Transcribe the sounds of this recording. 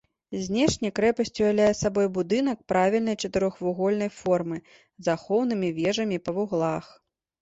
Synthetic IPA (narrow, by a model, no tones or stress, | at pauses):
zʲnʲɛʂnʲɐjkɾɛpɐsʲt͡sʲujʲawlʲajɛsabɔjbud̪ɨnɐk̚pɾavʲilʲnɐjt͡ʂɐt̪ɨɾɔxvuɣɔlʲnɐjfɔrmɨ | zaxɔwn̪ɨmʲivʲɛʐɐmʲipɐvuɣlˠax